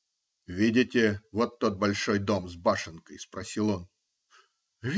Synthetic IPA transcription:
vʲidʲɪtʲɪvot̪ːot̪̚bɐlʲʂojd̪omzbaʂɨnkəjspɾɐsʲilˠon | vʲ

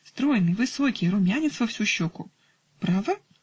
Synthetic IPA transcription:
st̪ɾɔjɛnɪʋɪsɔkʲɪjɾʊmʲjanʲit̪sʋɐwsʲuɕːɔkʊ | pɾɑʋɐ

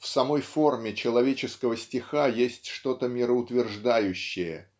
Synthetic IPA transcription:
fsɐmo̞jfo̞rmʲɪt͡ɕɪlˠɐvʲet͡ɕɪskəvəsʲtʲɪxajesʲtʲʂt̪o̞t̪əmʲɪɾəʊt̪vʲɪrʐd̪ajʉɕːɪjə̰

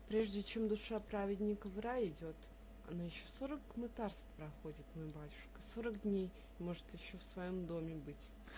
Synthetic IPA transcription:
pɾʲe̞ʐdʲɪt͡ɕe̞md̪ʊʂapɾavʲɪdʲnʲɪkəvɾajɪdʲo̞t̪ | ɐ̰najɪɕːoso̞ɾəkmɨt̪arst̪pɾɐxo̞dʲɪt̪mojbatʲʊ̥ʂkə̥so̞ɾəkdʲnʲej | mo̞ʐɨt̪jɪɕːo̞fsvɐjo̞md̪o̞mʲɪbɨtʲ

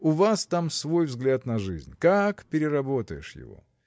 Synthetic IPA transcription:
ʊvast̪amsvo̞jvzɡlʲat̪nɐʐɨzʲnʲkakpʲɪɾʲɪɾɐbo̞t̪əjɪ̰ʂjɪ̰vo̰

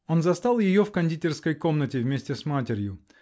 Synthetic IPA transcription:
o̞nzɐst̪alˠjɪjofkɐnʲdʲitʲɪrskəjko̞mnətʲɪvʲmʲesʲtʲɪsmatʲɪɾʲjʊ

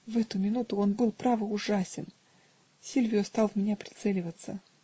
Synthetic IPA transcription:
vɛt̪ʊmʲɪnut̪ʊo̞nbɨlˠpɾavɨʊʐasʲɪn | sʲilʲvʲɪjʊst̪ɑlˠvmʲɪnʲapɾʲɪ̥t̪sɛlʲɪvət̪sə

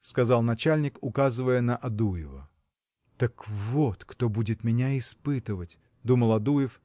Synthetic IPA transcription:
skɐzɑlˠnɐt͡ɕalʲnʲɪkʊkazɨvəjənəʔɐd̪ujɪvə̰ | t̪əkvot̪kt̪o̞budʲɪt̪mʲɪnʲaɪspɨt̪ɨvətʲ | d̪uməlˠɐd̪ujɪf

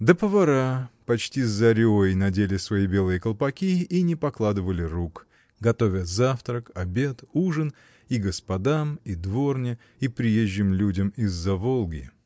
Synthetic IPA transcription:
d̪əpəvɐɾapɐt͡ɕtʲizːɐɾʲojnɐdʲelʲɪsvɐibʲe̞lˠɨjəkəlˠpɐkʲiːnʲɪpɐklˠad̪ɨvəlʲɪɾuk | ɡɐt̪o̞vʲəzaft̪ɾəkɐbʲe̞t̪uʐɨn | iɡəspɐd̪amid̪vornʲɪ | ipɾʲɪjeʑʲːɪmlʲudʲəmizːɐvo̞lˠɡʲɪ

